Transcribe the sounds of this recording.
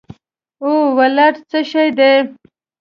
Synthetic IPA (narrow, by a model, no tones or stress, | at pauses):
owalaʈt͡səʃajd̪e